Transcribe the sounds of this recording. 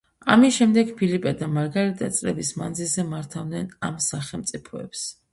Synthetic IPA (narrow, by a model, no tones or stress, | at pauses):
a̰misʃɛmd̪ɛɡpʰilipʼɛd̪amaɾɡaɾit̪ʼat̪sʼlɛ̰bisma̰nd̪zilzɛmaɾt̪ʰavd̪nɛna̰msaχɛlˠmt̪sʼipʰɔɛ̰ps